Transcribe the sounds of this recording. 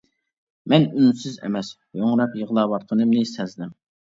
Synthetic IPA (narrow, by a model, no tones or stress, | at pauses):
mɛnynsɪzɛ̰mɛs | joŋɾɑpjəʁlˠɑːwɑt̪̚qʰənɨmnɪsɛzd̪ɪm